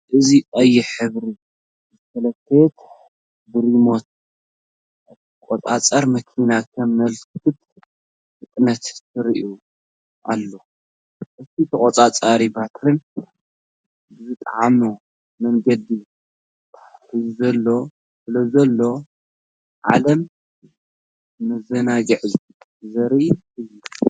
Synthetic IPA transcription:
ʔɨziʔʼɐjːɪħɨβɾi | zt̪ʰɐlɐt̪ʰːet̪ | bɨɾimo̞t̪̚ | ʔɨt̪ʰikʼot͡sʼat͡sʼɐɾmɐkʰinakʰɐmɐlkkʰɨt̪ | ɨkʼnɐt̪ːɨɾiʔu | ʔa̰lːo̞ | ʔɨt̪ʰit̪ʰɐkʼot͡sʼat͡sʼaɾibat̪ɾɨn | bɨzɨt̪ʼʕamo | mɐŋɡɐd̪i | t̪ʰḁħħizuzɐlːo̞ | sɨlɐzɐlːo̞ | ʕa̰lɐm | mɨzɐnaɡɨʕz | ɨzɐɾi | ɨjːu

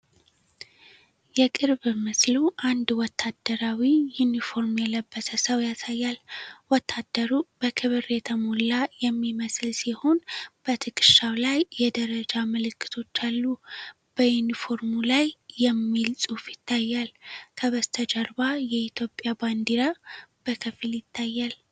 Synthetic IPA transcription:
jɛkʼɨɾβɨməsluʔand̪wɔt̪ʰːad̪əɾawijunifo̞ɾmjɛləbːəsəsəwjasajːalwɔt̪ʰːad̪ːəɾub̥əkʰɨβɨɾet̪ʰəmulːajɛmːiməslsiho̞nb̥ət̪ʰɨkʰʼɨʃawlajːɛd̪əɾəd͡ʒamɨlɨkːɨ̥t̪ʰo̞t͡ʃːalːu | b̥əjunifo̞ɾmulajːɛmːilsʼufjɪt̪ʰːajːalkʰəβəst̪ʰəd͡ʒəɾbajɛit̪ʰjo̞pʼjaband̪iɾab̥əkʰəfiljɪt̪ʰːajːal

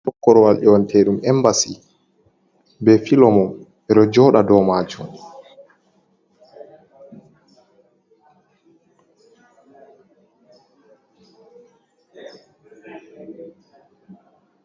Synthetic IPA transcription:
ɔkːɔɾɔwalɗɛwantʰeɗumɛmbasi | bɛfilɔmɔm | ɛɗɔd͡ʒɔːɗadɔmaːd͡ʒum

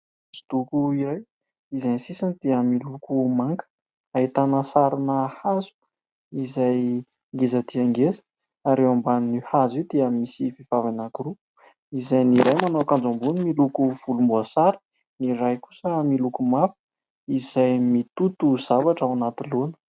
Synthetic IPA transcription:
si̥t̪ukuiɾaj | izajnsisanid̪̥eəmilukumaŋkə̥ | ait̪anəsaɾinəhazu̥ | izaj | ŋɡezat̪iaŋɡezə̥ | aɾewambannihazewd̪eəmisifivavanakuɾu | izajniɾajmanawkand͡zambunimilukuv̥ulumbuasaɾi̥ | niɾajku̥səmilukumafu̥ | izajmit̪ut̪uzavaʈ͡ʂawanat̪ilonə̥

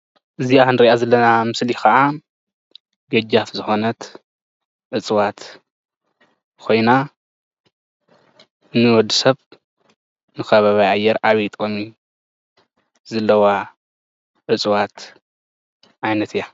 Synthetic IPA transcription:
ʔɨzianɨɾiʔazɐlːɐnamɨslixɐʔa | ɡɐd͡ʒafzɨxo̞nɐt̪ | ʔɨt͡sʼwat̪ | kʰo̞jna | nɨwɔd̪ɨsɐβ | nɨxɐβaβajʔajːɛɾʔaβit̪ʼomi | zɐlːɐwa | ʔɨt͡sʼwat̪ | ʔajnɐt̪ʰɨja

